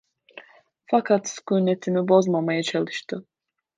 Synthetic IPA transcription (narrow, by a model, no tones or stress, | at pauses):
fakʰat̪skunet̪ʰimibo̞zmamajat͡ʃʰalˠɯʃt̪ʰɯ